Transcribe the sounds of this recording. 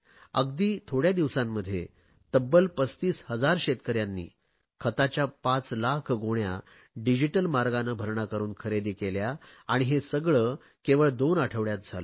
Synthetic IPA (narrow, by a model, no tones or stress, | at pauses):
ə̰ɡd̪iːt̪ʰoɽjad̪iʋsãmːəd̪ʱːjḛ | t̪əbːəlpəst̪iːshəd͡zaɾɕet̪kəɾjãnːḭː | kʰət̪at͡ɕjapãt͡slakʰɡoɳja̰ | ɖid͡ʑiʈəlmaɾɡanəbʱəɾɳakəɾuːnkʰəɾed̪iːkeljaːɽ̃iɦesəɡɭəː | keʋəɭd̪onaʈʰəʋɭjat̪̚d͡zʱalə